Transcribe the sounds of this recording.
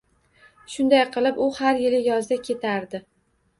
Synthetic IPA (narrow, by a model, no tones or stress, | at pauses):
ʃʊnd̪ajqʰɨlˠɪpʊhaɾjɪlɪjɒzd̪akʲʰe̞t̪ʰaɾd̪ɪ